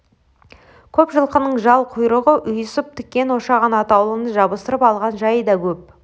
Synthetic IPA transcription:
kʲʰɵpʒəlˠqənəɴʒɑlˠqʰʊjɾəʁəʔʏjsəp̚t̪ʰʏ̥kʲːe̞nwoʃɑʁɑnɑt̪ɑwlˠənəʒɑbəst̪əɾəpɑlˠʁɑnʒɑjəd̪ɑkʲʰɵp̚

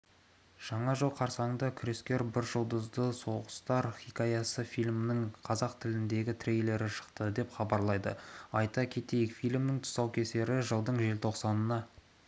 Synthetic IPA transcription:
ʒ̥ɑɴɑʒəlˠqʰɑɾsɑəɴd̪ɑkʲʰʏɾe̞skʲe̞ɾbɪɾʒəlˠd̪əzd̪əso̞ʁəst̪ɑɾχʲikajɑsəfijlʲmɪnɪŋqʰɑzɑqt̪ʰɪlɪnd̪e̞ɡʲɪt̪ʰɾejle̞ɾɪʃə̥qt̪əd̪e̞pχɑbɑɾlˠɑjd̪ə̰ɑjt̪ɑkʲʰe̞t̪e̞jɪkfijlʲmnɪŋt̪ʰʊ̥sɑwkʲʰe̞se̞ɾɪʒəlˠd̪əɴʒe̞lt̪ʰo̞qsɑnənɑ

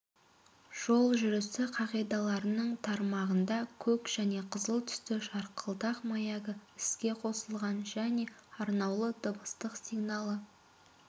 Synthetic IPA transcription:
ʒ̥o̞lˠʒʏɾɪsɪqʰɑʁijd̪ɑlˠɑɾənəɴt̪ʰɑɾmɑʁənd̪ɑkʲʰɵkʒ̥æne̞qʰəzəlˠt̪ʰʏ̥st̪ɪʃɑɾqʰəlˠd̪ɑqmɑjɑɡəɪskʲe̞qʰo̞səlˠʁɑnʒæne̞ɑɾnɑwlˠəd̪ʊbəst̪əqsiɡnɑlˠə

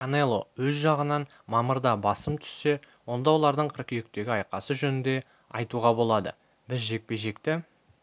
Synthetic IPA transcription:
kanelˠo̞wɵzʒɑʁənɑn | mɑməɾd̪ɑbɑsəmt̪ʰʏ̥sːe̞ | wo̞nd̪ɑwo̞lˠɑɾd̪əɴqʰəɾqiek̚t̪e̞ɡʲɪɑjqɑsəʒɵnɪnd̪e̞ | ɑjt̪uʁɑbo̞lˠɑd̪ə̰ | bɪzʒe̞k̚pe̞jʒe̞kt̪ɪ

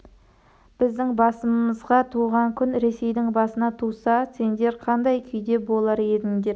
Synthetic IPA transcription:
b̥ɪzd̪ɪŋbɑsəməzʁɑt̪ʰuʁɑŋkʲʰʏnɾe̞se̞jd̪ɪŋbɑsənɑt̪ʰusɑse̞nd̪e̞ɾqʰɑnd̪ɑjkʲʰʏjd̪e̞bo̞lˠɑɾe̞d̪ɪŋd̪e̞ɾ

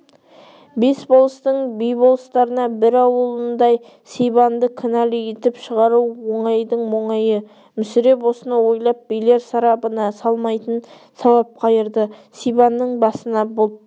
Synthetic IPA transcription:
be̞sbolˠəst̪əɴbijbo̞lˠəst̪ɑɾənɑbɪɾɑwəlˠənd̪ɑj | sijbɑnd̪əkʰɪnɑliet̪ɪpʃəʁɑɾuwwoɴɑjd̪əɴwo̞ɴɑjə | mʏsɪɾe̞po̞sənɑwo̞jlˠɑp̚bijle̞ɾsɑɾɑpənɑsɑlˠmɑjt̪ən | sɑwɑp̚qʰɑjəɾd̪əsijbɑnːəɴbɑsənɑbolˠ

